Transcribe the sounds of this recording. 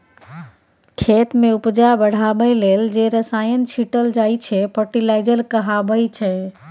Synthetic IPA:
kʰet̪mẽupd͡ʒabəɽ̤abəjleld͡ʒeɾəsajənt͡ʃʰiʈəld͡ʒait͡ʃʰɛpʰəʈilaɪd͡ʒəlkəɦabəjt͡ʃʰɛ

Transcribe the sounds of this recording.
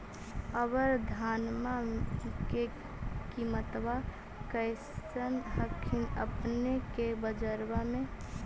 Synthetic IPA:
əbəɾd̪ʱanmake | kimət̪ba | kəɪsənɦəkʰinəpnekebəd͡ʒəɾbamẽ

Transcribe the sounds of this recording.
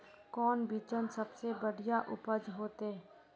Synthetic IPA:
kɔːnbiːt͡ʃənsɐbsebəɽijaʔʊpəd͡ʒɦoːt̪e

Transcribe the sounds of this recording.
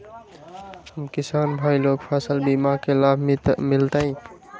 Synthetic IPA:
həmkɪsaːnbʱaːiloːɡpʰaːsəlbimakelaːb̪ʱmɪlt̪aɦĩ

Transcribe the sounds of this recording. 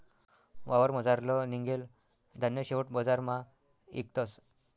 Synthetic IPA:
ʋaʋəɾməd͡zaɾlɔniŋɡel | d̪ʱanjəɕeʋəʈbəd͡zaɾma | ḭk̚t̪əs

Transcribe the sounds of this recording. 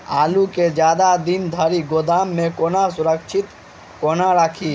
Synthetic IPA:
a̰ːluked͡ʒjaːd̪ad̪ind̪ʱəɾiɡoːd̪aːmːẽkoːnasʊɾəkt͡ʃʰɪt̪ | koːnaɾaːkʰi

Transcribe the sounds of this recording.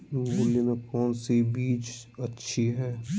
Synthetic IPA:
bʊlːimẽkɔːnsibiːt͡ʃɐtːʃʰiɦɛː

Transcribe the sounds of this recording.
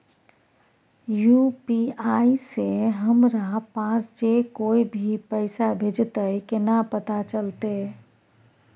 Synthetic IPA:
jupiaːiseɦəmɾapãːsd͡ʒekoːibʱipəɪsabʱed͡ʒt̪əikɪnapət̪at͡ʃəlt̪e

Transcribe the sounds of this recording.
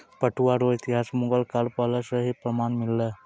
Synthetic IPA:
pəʈʰuaɾoit̪iɦasmuɡəlkalpələsəɦipɾəmanmilːə

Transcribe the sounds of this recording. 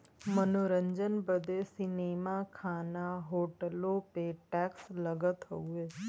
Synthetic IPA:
mənoɾə̃ɲd͡ʒənbəd̪esɪneːmaːkʰaːnaɦoːʈəlõːpeʈɛːksləɡət̪ɦoueː

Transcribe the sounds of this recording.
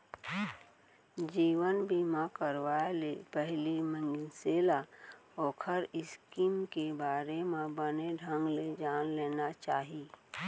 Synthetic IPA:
d͡ʒiːwənbʱimakəɾwaːelepɛɦlimə̃ŋɡɪnseːlaɔːkʰəɾɪskiːmkebaːɾemẽbəneɖʱə̃ŋɡled͡ʒaːnleːnat͡ʃaːɦi

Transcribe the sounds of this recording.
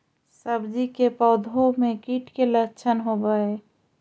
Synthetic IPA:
səbd͡ʒikepəd̪ʱomekiʈkelət͡ʃʰənɦobəe

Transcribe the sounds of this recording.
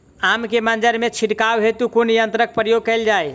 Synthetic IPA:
amkemənd͡ʒəɾmet͡ʃʰiʈkawɦet̪ukonijənt̪ɾək̚pɾəjoɡ̚kəjld͡ʒaj

